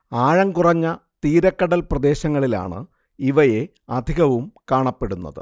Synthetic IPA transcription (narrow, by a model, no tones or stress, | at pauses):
aːɻɐŋkurɐɲːɐt̪iːɾɐkːɐɽɐlprɐd̪e̞ːɕɐŋːɐɭila̰ːɳɨ̰ | iʋɐje̞ | ɐd̪ʱiɣɐʋumkaːɳɐpːe̞ɽunːɐ̰ðɨ̰